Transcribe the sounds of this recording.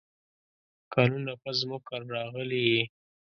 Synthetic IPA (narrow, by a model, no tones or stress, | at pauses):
kɑnunapazməkaɾːɑɣəlije